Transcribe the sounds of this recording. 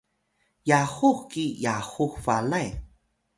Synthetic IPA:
jaxuxkijaxuxfalaj

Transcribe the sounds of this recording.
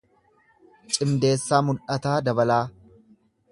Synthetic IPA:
t͡ʃʼɪmd̪e̞ːsːaːmʊlʔɐt̪aːd̪ɐbɐlaː

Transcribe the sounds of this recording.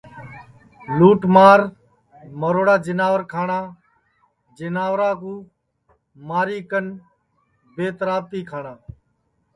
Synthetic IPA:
luːʈmaːɾ | məɾoːɽaːd͡ʒɪnaːʋəɾkʰaːɳaː | d͡ʒɪnaːʋɾaːkũː | maːɾiːkən | beːt̪ɾaːb̚t̪iːkʰaːɳãː

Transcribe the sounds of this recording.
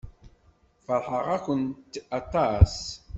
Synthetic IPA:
fəɾˤħəʁækʷənt̪ɑt̪ˤɑs

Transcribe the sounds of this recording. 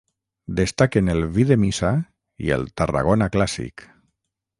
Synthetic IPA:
d̪est̪akenelˠβiðemisa | ḭḛlˠt̪ara̰ɣ̞onaklasḭk

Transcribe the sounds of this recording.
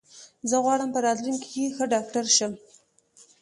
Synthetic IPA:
zəɣwɑɽəmpəɾɑd̪ɾunki̥kexəɖɑkʈaɾʃəm

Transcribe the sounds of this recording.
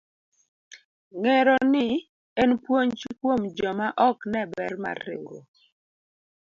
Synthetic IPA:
ŋɛɾɔnɪ | ɛnpwoɲt͡ʃikwomd͡ʒɔmaʔɔknɛbɛrma̰ɾɪ̰ŋɡo̰

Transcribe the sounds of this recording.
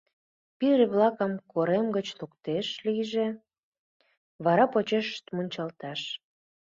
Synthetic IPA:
piɾeβlɑkəmkoɾemɡət͡ɕlukt̪eʃliʒe | βɑɾɑpot͡ɕeʃʃt̪munʲt͡ɕɑlt̪ɑʃ

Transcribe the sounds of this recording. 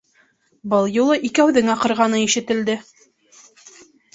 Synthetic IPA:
bɤlˠjulˠɤʔikæwðɘŋɑqɤ̆ɾʁɑnɤiʃɘ̆t̪ɘ̆ld̪ɘ

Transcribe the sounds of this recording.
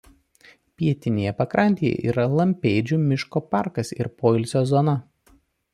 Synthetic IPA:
pʲiɛt̪ʲɪnʲeːjɛpɐkɾɐˑnʲt̪ʲejɛ̰ʔḭːɾɐlˠɐmʲpʲeːd͡ʒʲumʲɪʃkoːpɑˑɾkɐsɪɾpoːɪlʲsʲoːzɔnɐ

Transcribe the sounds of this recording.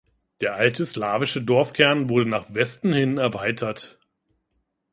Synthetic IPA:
d̥eːɐʔaltʰəslaːvɪʃədɔɐfkʰɛɐnvʊɐɾənaːχvɛstn̩hɪnɛɐvaɪtʰɐt

